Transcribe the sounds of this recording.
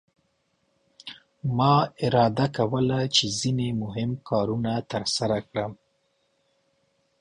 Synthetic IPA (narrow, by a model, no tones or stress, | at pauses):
mɑɪɾɑd̪akawəlat͡ʃezinemʊɦɪmkʰɑɾunat̪əɾsaɾakɽəm